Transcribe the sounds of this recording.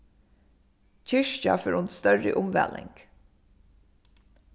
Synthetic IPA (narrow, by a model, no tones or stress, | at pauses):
cʰɪʂt͡ʃaføːɹʊnt̪st̪œɹɪʔʊmʋɛ̰lɪ̰ŋk